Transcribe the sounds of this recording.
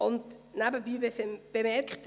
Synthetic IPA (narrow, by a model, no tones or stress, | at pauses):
ʊntnabəbiːbeb̥emɛɾkχt